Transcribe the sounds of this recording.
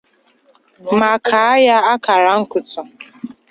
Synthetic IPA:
ma˨kʰa˨a˦ja˦a˦ka˨ɾa˨ŋ̩˦kʊ˨tʊ˨

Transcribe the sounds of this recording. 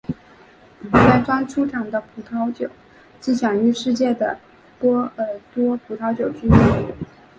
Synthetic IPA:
ka˥˩ɪʈ͡ʂwa˥nʈ͡ʂʰu˥ʈ͡ʂʰɑ˨˩ŋd̪ə˧pʰu˨˩t̪ʰɑ˧˥ʊt͡ɕjo˨˩˦ʊ | t͡ɕi˥˩t͡ɕʰjɑ˨˩ŋy˥˧ʂɻ̩˥˧t͡ɕjɛ˥˩d̪ə̰˩ | pwɔ˥ə˧˥˩t̪wɔ˥pʰu˨˩t̪ʰɑ˧˥ʊt͡ɕjo˨˩ʊt͡ɕy˥i˥˩

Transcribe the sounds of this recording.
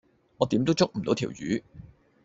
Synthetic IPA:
ŋɔː˨˧t̪iː˨˥mt̪o˥wt͡sʊ˥k̚m̩˨˩t̪wt̪ʰḭː˨˩wjyː˨˥

